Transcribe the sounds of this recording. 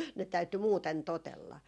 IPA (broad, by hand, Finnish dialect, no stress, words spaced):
ne tæyty muːten totelːɑ